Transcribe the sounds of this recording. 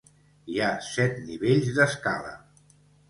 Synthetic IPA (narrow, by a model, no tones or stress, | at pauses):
iasɛt̪niβeʎzðəskalə̰